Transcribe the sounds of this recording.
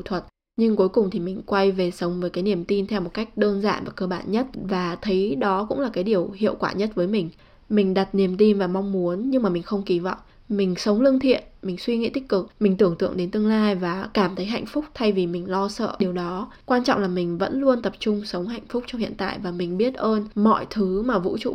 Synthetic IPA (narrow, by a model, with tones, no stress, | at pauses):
t̪ʰwə˨˩t̚ | ɲɨ˧ŋku˨˦jkʊ˨˩ŋ͡mt̪ʰi˨˩mï˨˩ŋ̟kwa˧jve˨˩sə˨˦wŋ͡mvəː˨˦jkaː˨˦jni˨˩əmt̪i˧nt̪ʰɛ˧wmo˨˩t̚ka˦˥jk̟̚ɗəː˧nza̰ː˧˨vaː˨˩kəː˧ɓaː˧˨nɲə˦˥t̚vaː˨˩t̪ʰə˨˦jɗɔ˨˦kʊ̰˧˥ŋ͡mlaː˨˩kaː˨˦jɗi˨˩əwhḭ˧˨əwkwaː˧˩ɲə˦˥t̚vəː˨˦jmï˨˩ŋ̟ | mï˨˩ŋ̟ɗa˨˩t̚ni˨˩əmt̪i˧nvaː˨˩ma˧wŋ͡mmu˨˦ənɲɨ˧ŋmaː˨˩mï˨˩ŋ̟xə˧wŋ͡mki˨˦va̰˧˨wŋ͡m | mï˨˩ŋ̟sə˨˦wŋ͡mlɨ˧əŋt̪ʰḭ˧˨ənmï˨˩ŋ̟swi˧ŋḭ˧˥t̪i˦˥k̚kɨ˨˩k̚mï˨˩ŋ̟t̪ɨ˧˩əŋt̪ɨ̰˧˨əŋɗe˨˦nt̪ɨ˧əŋlaː˧jvaː˨˩kaː˧˩mt̪ʰə˨˦jɦa̰˧˨jŋ̟fʊ˦˥k͡p̚t̪ʰa˧jvi˨˩mï˨˩ŋ̟lɔ˧sə̰ː˧˨ɗi˨˩əwɗɔ˨˦ | kwaː˧nt͡ɕɔ̰˧˨wŋ͡mlaː˨˩mi˨˩ŋ̟və̰˧˥nlu˧ənt̪ə˨˩p̚t͡ɕʊ˧ŋ͡msə˨˦wŋ͡mɦa̰˧˨jŋ̟fʊ˦˥k͡p̚t͡ɕɔ˧wŋ͡mhḭ˧˨ənt̪a̰ː˧˨jvaː˨˩mï˨˩ŋ̟ɓi˦˥ət̚ʔəː˧nmɔ̰˧˨jt̪ʰɨ˨˦maː˨˩vṵ˧˥t͡ɕṵ˧˩˨